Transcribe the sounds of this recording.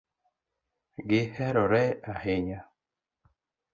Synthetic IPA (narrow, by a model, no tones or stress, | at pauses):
ɡɪhɛɾɔɾɛaheɲa